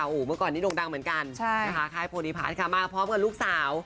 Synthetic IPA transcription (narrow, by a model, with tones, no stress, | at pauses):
ʔoː˨˩mɯː˧˩əkɔː˨˩nːiː˦˥˩lo˧ŋda˧ŋmɯ˩˦nka˧nt͡ɕʰa˥a˧kʰa˦˧˥kʰaː˥˩jpʰoː˧ɾiː˧pʰa̰ː˨˩nkʰa˦˥˩maː˧˩pʰɾɔː˦˥mka˧˩luː˥˩k̚saː˩˦w